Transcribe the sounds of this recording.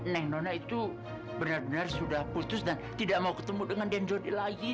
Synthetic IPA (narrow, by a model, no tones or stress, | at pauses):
nɛŋnonait̪u | bənarbənarsudahput̪ʊsdant̪idaʔmaukə̥t̪əmudəŋandand͡ʒodilaɡi